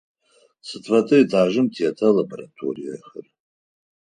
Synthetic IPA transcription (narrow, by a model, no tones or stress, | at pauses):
sɨtʰvatʼɨitʰaːʒɨmtʰiatʰalaboɾatʰo̰rija̰χər